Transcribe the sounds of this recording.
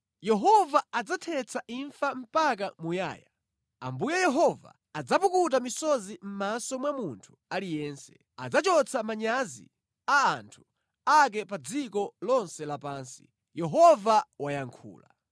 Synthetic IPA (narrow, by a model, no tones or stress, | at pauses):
jɛɦɔvaad͡zatʰɛt͡sʰaʔiɱfam̩pak̬amuja̰ːja | a̰mbujɛjɛɦɔva̰ːd͡zapukutamisɔzim̩masɔmwamuntʰu̥alijɛːnsɛ̥ | ad͡zat͡ʃɔt͡sʰamaɲazḭ | aːntʰu̥ | ak̬ɛpad͡zikɔlɔnsɛlapaːnsi̥ | jɛɦɔvawajaŋkʰṵːla